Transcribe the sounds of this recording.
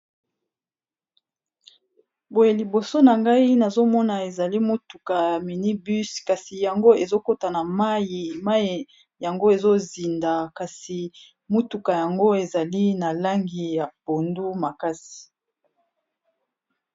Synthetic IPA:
bo˨je˨li˨bo˨so˦na˨ŋɡa˦i˦na˨zo˦mɔ˦na˨e˨za˨li˦mo˦tu˨ka˨jja˨mi˨ni˦by˦ska˨si˨ja˨ŋɡo˦e˨zo˦ko˦ta˨na˨ma˦i˨ma˦i˨ | ja˨ŋɡo˦e˨zo˦zi˨nda˨ka˨si˨ | mu˦tu˨ka˨ja˨ŋɡo˦e˨za˨li˦na˨la˦ŋɡi˨ja˨po˨ndu˦ma˨ka˦si̥˨

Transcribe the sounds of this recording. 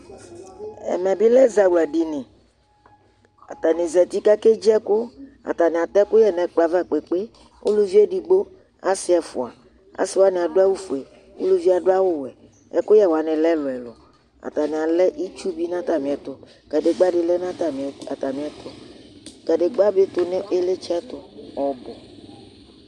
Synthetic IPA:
ɛ̰˨mɛ̃˨bi˦lɛ˦za˨wula˨ɖi˨nĩ˨ | a̰˨t̪a˨nĩ˨zɛ˨t̪i˦ka˦ke˦d͡ʒi˦ɛ˦kʊ˦ | a̰˨t̪a˨nĩ˨a˨t̪ɛ˦kʊ˦jɛ˦nɛ̃˨k͡pla˨va˦˨k͡pe˨k͡pe˦ | u˦lu˦vi˦e˦ɖi˨ɡ͡bo˦ | a̰˦si˦ɛ˨fṵ˨a̰˨ | a̰˨si˦wa˦nĩ˨a˨do˦a˦wu˦fu˨ɛ˨ | o̰˦lu˦vi˦a˨ɖo˦a˦wo˦wɛ˨ | ɛ̰˦kʊ˦jɛ˦wa˨nɛ̃˨lɛ˦lʊ˨ɛ˨lo˨ | a̰˨t̪a˨nĩ˨a˨lɛ˦ʔi˦t͡ʃu˦bi˦nã˦t̪a˨mĩ˨ɛ˨t̪ʊ˨ | ka˨ɖe˨ɡ͡ba˦ɖe˨lɛ˦nã˦a˨a˨t̪a˨mĩ˨ɛ˨t̪o˨ka˨ɖe˨ɡ͡ba˦be˦t̪o˨nɛ˦e˦le˦t͡ʃt̪ʊ˨ɔ˨bɔ˨

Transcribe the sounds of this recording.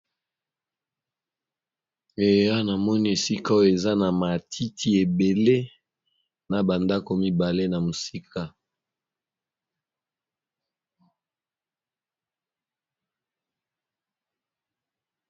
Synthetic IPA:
e˨a˦na˨mɔ˦ni˦e˨si˦ka˦jo˦˨e˨za˦na˨ma˨tʰi˦tʰi˦e˨be˨le˦ | na˨ba˨nda˦ko˨mi˦ba˨le˦na˨mo˨si˦kʰa˦

